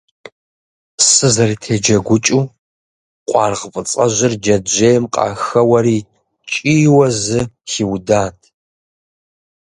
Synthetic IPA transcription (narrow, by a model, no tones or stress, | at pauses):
sɨzɐriːtʰeːd͡ʒɐɡʷʊt͡ʃʼuː | qʷʼɑ̰ːrʁfʼɨt͡sʼɐʑɪrd͡ʒɐd͡ʒeːjmqʼɑ̰ːxɐwɐɾiː | t͡ʃʼiːwɐzɨxiwdaːtʰ